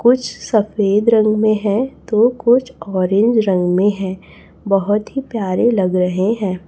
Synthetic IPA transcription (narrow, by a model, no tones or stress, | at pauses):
kʊt͡ʃʰsɐfeːd̪ɾɐ̃ŋɡmẽɦɛ̃t̪okʊt͡ʃʰɔːɾẽɲd͡ʒɾɐ̃ŋɡmẽɦɛ̃ː | bɐɦʊt̪ɦipjaːɾẽlɐɡɾɐɦeɦɛ̃ː